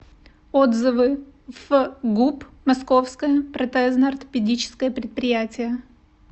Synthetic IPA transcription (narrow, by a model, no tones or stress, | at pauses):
od̪zɨvɨ | v̥ɡupmɐskofskəjəpɾɐt̪ɛznəɐrt̪ə̥pʲɪdʲit͡ɕɪ̥skəjəpɾʲɪt̪̚pɾʲɪjætʲɪjə